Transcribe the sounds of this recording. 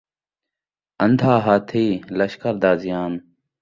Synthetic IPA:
ɐnd̪ʱaːɦaːt̪ʰiːlɐʃkəɾd̪aːzijaːn

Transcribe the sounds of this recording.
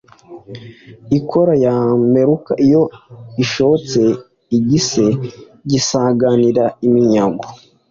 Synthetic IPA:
ikʰoɾajame̞ɾuka̰ʔijo̞iʃoot͡se̞ | iɟise̞ | ɟisaɡaniɾaimiɲaɡo

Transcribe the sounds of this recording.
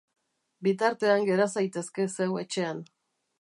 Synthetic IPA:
bit̪aɾt̪e̞aŋɡe̞ɾasajt̪e̞ske̞se̞we̞t͡ʃe̞an

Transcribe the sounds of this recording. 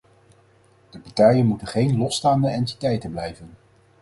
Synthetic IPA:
d̥əpɑɹtɛjənmutənχejnlɔstaːndəɛnti̥tɛjtənblɛjvən

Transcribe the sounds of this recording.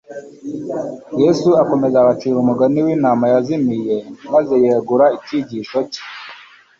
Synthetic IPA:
jesuako̞me̞zaβat͡ʃiːɾumuɡaniwinaːmajazimije̞maze̞jeːɡuɾaiciɟiʃoci̥

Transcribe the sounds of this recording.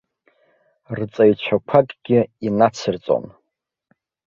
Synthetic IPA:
rt͡sʼajt͡ɕʷʰakʷʰakʼɡʲɪinat͡sʰɨrt͡sʼo̰n

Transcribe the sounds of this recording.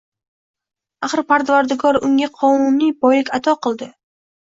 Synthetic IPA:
aχɨɾpaɾd̪vaɾd̪ɪɡɒɾʊŋʲaqʰɒnumijbɒjlɪkʲat̪ʰɒqɨlˠd̪ɪ

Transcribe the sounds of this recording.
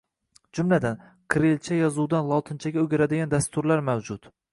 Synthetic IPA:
d͡ʒʊmlad̪an | kʰɾelt͡ʃʰajɒzud̪anlˠɒt̪ʰɪnt͡ʃʰaɡʲaɵɡʲɪɾad̪ɪɡʲand̪ast̪ʊɾlaɾmawd͡ʒʊt̪

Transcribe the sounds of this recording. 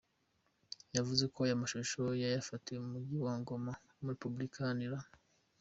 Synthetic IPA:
javuze̞ko̞jamaʃoʃojajafatieumuɟiwaːŋɡo̞ma | muɾepublikʰaniɾa

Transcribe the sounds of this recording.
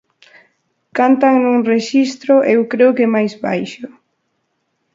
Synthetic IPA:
kant̪aŋnũŋreʃist̪ɾʊʔewkɾeʊkemajzβa̰jʃʊ

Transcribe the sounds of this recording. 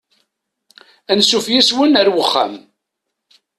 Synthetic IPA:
ænsufjiswənəɾwəχːa̰m

